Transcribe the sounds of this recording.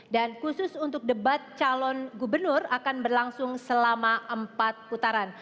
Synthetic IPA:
dankusʊsunt̪ʊk̚dəbat̪̚t͡ʃalɔnɡubərnʊrakanbərlaŋsʊŋsəlamaʔəmpat̪̚put̪aɾan

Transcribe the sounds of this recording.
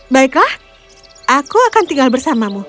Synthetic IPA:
baiklah | akuakant̪iŋɡalbərsamamu

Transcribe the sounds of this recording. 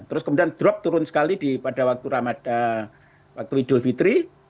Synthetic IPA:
t̪əɾʊskəmudiand̪̥ɾɔp̚t̪uɾʊnsə̥kalidipadawak̚t̪uɾamat̪̚ə | wak̚t̪uid̥ʊlfit̪ɾi

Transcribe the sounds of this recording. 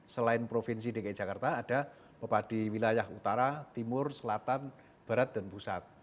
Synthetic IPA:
səlaɪnpɾofinsidekedd͡ʒ̥a̤kart̪aːd̥a̤ | pəpad̥i̤wilajahut̪aɾat̪imʊrsəlat̪an | b̥a̤ɾat̪̚d̥anpusa̰t̪̚

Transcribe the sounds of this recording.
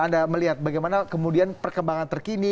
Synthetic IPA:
andaməliɦat̪̚baɡajmanakəmudianpərkəmbaŋant̪ərkini

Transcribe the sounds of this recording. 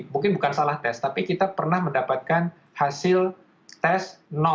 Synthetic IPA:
muŋkɪnbukansalaht̪ɛst̪apikit̪apərnahməndapat̪̚kan | hasɪl | t̪ɛsnɔ

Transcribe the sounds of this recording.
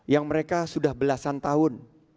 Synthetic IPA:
jaŋməɾekasudahbəlasant̪aɦʊn

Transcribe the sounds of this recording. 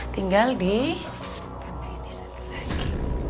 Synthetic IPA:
t̪iŋɡaldi | t̪ampainisḁt̪u̥laki̥

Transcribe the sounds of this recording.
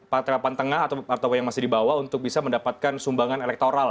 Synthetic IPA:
pat̪əɾapant̪əŋaɦat̪aat̪awjaŋmasihdibawaunt̪ʊk̚bisaməndapat̪̚kansumbaŋanelɛk̚t̪oɾal

